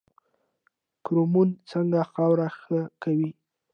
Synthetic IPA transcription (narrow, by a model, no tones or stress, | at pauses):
kɾomunt͡səŋɡaxɑwɾaxəkawi